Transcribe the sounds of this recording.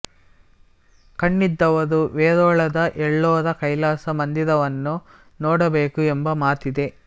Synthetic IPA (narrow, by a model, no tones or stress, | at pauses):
kɐɳːid̪ːɐʋɐɾuʋeːɾɔːɭɐd̪ɐʔɛɭːɔːdɐkɐjlaːsɐmɐnd̪id̪ɐʋɐnːu | nɔːɽɐbe̞ːkuembɐmaːt̪id̪e̞